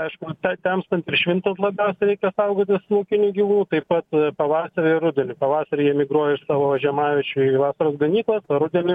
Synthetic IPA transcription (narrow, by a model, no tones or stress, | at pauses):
ɐɪʃkʊt̪ʲɐt̪ʲɛmst̪ɐnt̪ɪrʃʲʋʲɪnt̪ɐslˠɐbʲɛʊsʲɛɾʲɛɪkʲɛsɐʊɡoːt̪ʲɪslˠoːkʲɪnʲuːɡʲiːʋuːnt̪ɐɪpɐt̪pɐʋɑːsɐɾʲɪɪrʊd̪ʲɛnʲɪpɐʋɑːsɐɾʲɪjiɛmʲɪɡɾuɔjɛɪʃsɑːʋoːɐʒʲɛmɑːʋʲɪt͡ʃʲʊiʋɑːsɐɾoːsɡɐnʲiːklˠɐsɐɾʊd̪ʲɛnʲɪ